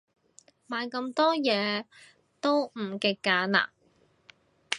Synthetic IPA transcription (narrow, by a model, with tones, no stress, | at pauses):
maː˨˧jkɐ˧mt̪ɔː˥jɛː˨˧ | t̪o˥wm̩˨˩kɪ˧kːaː˨˧˥na̰ː˨˩